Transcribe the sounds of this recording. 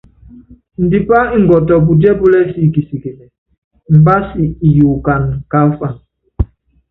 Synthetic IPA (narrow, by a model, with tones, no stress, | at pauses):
n̩˨di˨pa˦i˦ŋ̩˨ɡɔ˨tɔ˨b̬u˨dɛ˦bu˦lɛ˦si˦˨ki˨si˨ke˨nɛ˨ | m̩˨ba˦si˨i˨ju˨ka˨nka˦fa˨n